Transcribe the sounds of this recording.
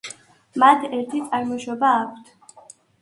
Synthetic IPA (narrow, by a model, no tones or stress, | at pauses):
mat̪ʰɛɾt̪ʰit̪sʼaɾmɔʃɔbaːkʷʰt̪ʰ